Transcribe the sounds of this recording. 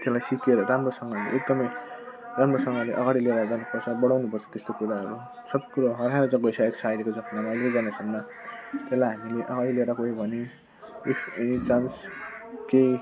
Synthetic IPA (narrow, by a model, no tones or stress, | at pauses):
t̪elajsikeɾʌramrosʌŋɡʌlḛek̚d̪ʌmʌjramrosʌŋɡʌɾleʔʌɡaɽileɾad͡zanupʌrt͡sʰʌbʌɽawnupʌrt͡sʰʌ̥t̪est̪okuɾaɦʌɾu | sʌbkuɾoɦʌɾɦaɾod͡zʌɡʌjsaeksʰajɾekod͡zʌknamaʌlekʌd͡zanesʌmnʌ | t̪elajɦamileʔʌɡaɽileɾakoɦebʱʌne | enit͡sanskej